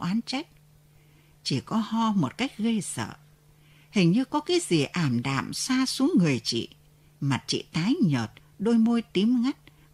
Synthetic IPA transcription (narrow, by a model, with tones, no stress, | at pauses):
ʔwʔaː˨˦nt͡ɕa˦˥jk̚ | t͡ɕi˧˩kɔ˨˦hɔ˧mo˨˩t̚ka˦˥jk̟̚ɣə˧jsə̰ː˧˨ | hï˨˩ŋ̟ɲɨ˧kɔ˨˦kaː˨˦jzi˨˩ʔaː˧˩mɗa̰ː˧˨msaː˧su˨˦əŋːɨ˨˩əjt͡ɕḭ˧˨ | ma˨˩t̚t͡ɕḭ˧˨t̪aː˨˦jɲəː˨˩t̚ | ɗo˧jmo˧jt̪i˨˦əmŋa˦˥t̚